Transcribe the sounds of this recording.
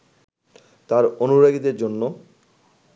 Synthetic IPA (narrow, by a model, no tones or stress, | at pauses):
t̪aɾonuɾaɡid̪eɾd͡ʑonːo